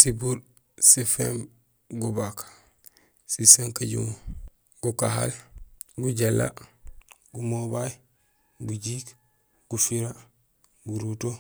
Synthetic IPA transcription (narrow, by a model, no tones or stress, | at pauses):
sibul | sifḛm | ɡubakḁ | sisaŋkaɟṵŋ | ɡ̥ukaɦa̰lɡuɟelːa̰ | ɡumobaj | ɡuɟiːk | ɡ̥ufiɾa | ɡuɾuto